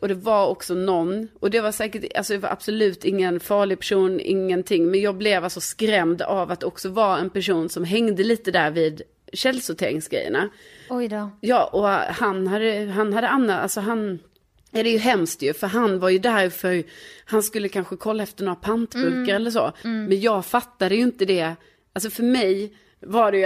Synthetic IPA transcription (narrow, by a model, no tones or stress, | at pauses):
ʔɔd̪ɛvaɾɔksɔnɔnːɔd̪ɛvaʂɛːkəʈa̰sɔd̪ɑvaɾʔa̰b̥sɔlʉ̟ːt̪ɪŋːənfɑːɭɪɡ̚pʰæ̥ʂuːnɪ̰ŋːənt̪ʰɪŋːmɛnjɑːɡ̚blɛvalsɔskɾɛmd̪avat̪ːɔksɔvɑɛnpæʂuːnsɔmɦɛŋd̪əliːt̪əd̪æɾviːd̪ | ɕɛlːsʊt̪ʰḛːɾɪŋsɡɾɛ̰jːə̰ɳa | jɑːʔɔhanɦad̪ːəɦanhad̪ːəanːat̪a̰lsɔɦan | æɖɛjɵɦɛmst̪jɵfœɾɦanvaɾjɵd̪æɾfœɾhanskɵlːəkʰanɧəkʰɔlːaɛft̪əɳoːɾapʰant̪bɵlkaɾɛlːəʂo̰ːmɛnjɑːɡfat̪ːad̪əjɵɪnt̪əd̪ɛ | als̬ɔfœɾmɛj | vaɖɛj